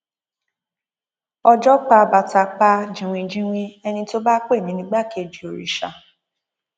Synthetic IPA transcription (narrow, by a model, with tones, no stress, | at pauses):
ɔ˧d͡ʒɔ˦k͡pa˧ba˨ta˧k͡pa˧d͡ʒĩ˨w̃ĩ˧d͡ʒĩ˦w̃ĩ˧ɛ˧nĩ˧to˦ba˦k͡pe˦˨mĩ˨˦nĩ˦ɡ͡ba˦ke˧˨d͡ʒi˨o˨ɾḭ˨ʃa̰˧˨